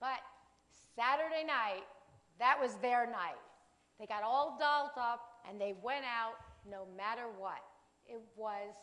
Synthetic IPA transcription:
b̥ʌt̚ | sæɾə˞ɾeɪnaɪt̚ | ðɨʔ̚wʌzðə˞naɪt̚ | ðeɪɡɑɾɔlˠdɑlˠtʌp̚ʔɨ̃nðeɪwɛ̃ñaʊt̚noʊmæɾə˞wʌɾ | ɪt̚wʌz̥

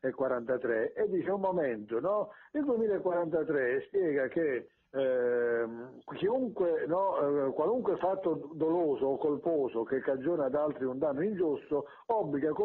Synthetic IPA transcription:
ekːwaɾant̪at̪ɾɛed̪ːiːt͡ʃeummːɔmɛnt̪ʊnɔild̪uemiːlaekːwaɾant̪at̪ɾɛspjɛːɡake | k̟iuŋkwenɔkwaluŋkwɪfat̪ːʊd̪ɔloːsoɔkːolpɔːsʊkekːad͡ʒːoːnad̪alt̪ɾiund̪anːʊind͡ʒust̪ʊ | ɔbːliɡako

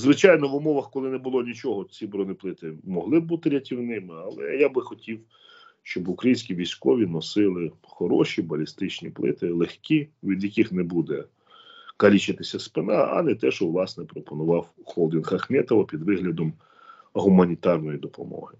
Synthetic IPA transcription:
zʋɪt͡ʃɑjnɔʋʊmɔʋɐxkɔlˠɪnɛbʊlˠɔnʲit͡ʃɔɦɔt͡sʲibɾɔnɪplˠɪt̪ɪmɔɦlˠɪbut̪ɪɾʲɐtʲiwnɪmɪɐlˠɛ̰jabɪxɔtʲiw | ʃt͡ʃɔbʊkɾɐjinʲsʲkʲiʋʲijsʲkɔʋʲinɔsɪlˠɪ | xɔɾɔʃibɐlʲist̪ɪt͡ʃnʲḭplˠɪ̰t̪ɪlˠexkʲiʋʲid̪jɐkɪxnɛbud̪ɛ | kɐlʲit͡ʃɪt̪ɪsʲɐspɪnɑɐ̰nɛt̪ɛʃɔʋlˠɑsnɛpɾɔpɔnʊʋɑwxɔlˠd̪ʲɪnxɐxmɛt̪ɔʋɐpʲid̪ʋɪɦlʲɐd̪ɔm | ɦʊmɐnʲit̪ɑrnɔjid̪ɔpɔ̰mɔ̰ɦɪ

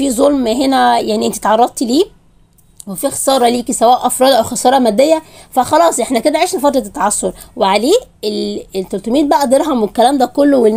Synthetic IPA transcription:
fiːzˤolmɦenæjaʕniʔent̪it̪ʕɑrˤːɑd̪̚t̪liː | wefixsˤɑːɾˤɑliːkisæwæːʔʔɑfɾˤɑːd̪ʔæwxɑsˤɑːɾˤɑmæd̪ːejːæfæxɑlɑːsˤʔeħnæked̪æʕeːʃnefɑt̪ˤɾɑt̪ːɑʕɑsːoɾˤweʕaleːelet̪ːolt̪omiːd̪̚bæʔæʔd̪eɾɦomwekːælæːmd̪æːkolːowel

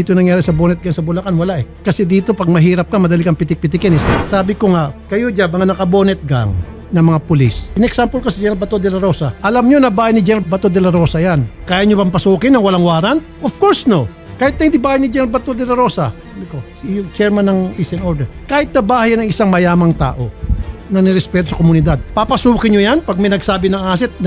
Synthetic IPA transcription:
iːt̪onɐŋjaːɾɪsɐbonɛt̪̚ɡaŋsɐbʊlɐkanwɐlaʔɛkɐsɛd̪iːt̪o̞pɐɡ̚mɐɦiːɾɐp̚kamɐd̪ɐlikɐŋpɪt̪ɪk̚pɪt̪ɪkɪnɪssaːbɪkoŋakɐjod͡ʒamɐŋanɐkɐboːnɛt̪̚ɡa̰ŋ | nɐŋmɐŋapʊlisɪnɛksampolkosid͡ʒɛnɾalbɐt̪od̪ɛlɐɾo̞saʔɐlamɲo̞nɐbaːhajnɪd͡ʒɛnɾabɐt̪od̪ɛlɐɾo̞ːsɐjankaːjaɲopɐmpɐsuːkɪnːɐŋwɐlaŋwaːɾant̪̚ʔofkoɹsno | kaːhɪt̪̚ɐjnd̪ibaːhajnɪd͡ʒɛnɾalbɐt̪od̪ɛlɐɾo̞ːsasaːbɪkosjt͡ʃɛɹmanːɐŋpisɛnoɾd̪ɛɾkaːhɪt̪̚nɐbaːhajanɐŋɪsaŋmɐjaːmɐŋt̪a̰ːʔo̞nɐnɛɾɛspɛːt̪osɐkomʊnɪd̪ad̪̚papɐsuːkɪɲojanpɐɡ̚mɐjnɐɡsaːbɪnɐŋaːs̬ɛt̪̚n

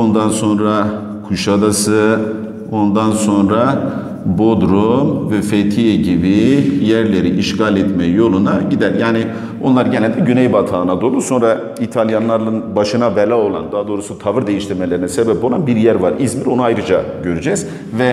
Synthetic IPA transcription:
ond̪anso̞nɾa | kʰuʃad̪asɯ | ond̪anso̞nɾa | bod̪ɾomvɛfet̪ʰijɛɟibijæɾlʲeɾiʔiʃɡalʲɛt̪mɛjo̞lˠunaɟid̪æɾjaːni | o̞nlˠaɾɟenɛlʲd̪ɛɟynɛjbat̪ʰaːnad̪o̞lˠuso̞nɾa | it̪ʰalʲˠjanlˠaɾlˠɯnbaʃɯnabelʲaːo̞lˠa̰nd̪aɦːd̪o̞ːɾusut̪ʰavɯɾd̪e̞jiʃt̪ʰiɾme̞lʲeɾinɛsebɛpo̞lˠanbiɾjæɾvaɾizmiɾo̞nuajɾɯd͡ʒaɟøɾyd͡ʒɛz̥ | vɛ

